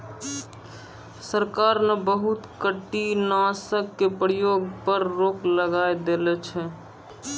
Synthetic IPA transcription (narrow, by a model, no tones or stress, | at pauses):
səɾkaːɾnabəɦʊt̪kəʈːinãːsəkːepəɾɪjoːɡpəɾːoːkləɡaːed̪elet͡ʃʰɛ